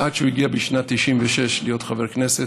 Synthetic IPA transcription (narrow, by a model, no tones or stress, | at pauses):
ʔadʃeuiɡiabiʃnat̪ːiʃimveʃe̞ʃlijo̞tχaveʁkne̞se